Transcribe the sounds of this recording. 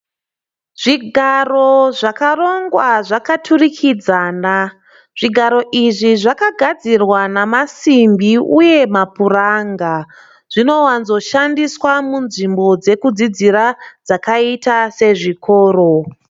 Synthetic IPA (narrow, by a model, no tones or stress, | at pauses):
ʐ̥iɡʱaro̞ʐakaro̞ŋɡwaʐakatʰurikʰid͡zaːna | ʐ̥iɡʱaɾo̞ʔiʐiʐakaɡʱad͡zirwanamasimbiuje̞mapuraŋɡa | ʐ̥ino̞wanzo̞ʃandiswamunʐimbo̞d͡ze̞kud͡zid͡ziɾad͡zakaitase̞ʐikʰo̞ːɾo